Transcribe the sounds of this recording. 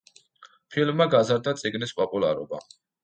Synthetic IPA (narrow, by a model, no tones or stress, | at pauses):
pʰilmːaɡazaɾd̪at̪sʼiɡnispʼɔpʼulˠa̰ɾɔ̰ba̰